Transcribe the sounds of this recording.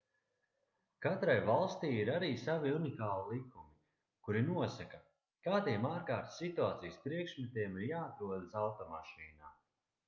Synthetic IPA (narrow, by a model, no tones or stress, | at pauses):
kat̪ɾajvalˠst̪iːiɾaɾiːsaviunikaːlˠilˠikːumi | kuɾinuɔsaka | kaːd̪iɛmaːɾkaːɾt̪sit̪uaːt̪sijspɾiɛkʃmɛt̪iɛmiɾjaːt̪ɾuɔd̪asawt̪ɔmaʃiːnaː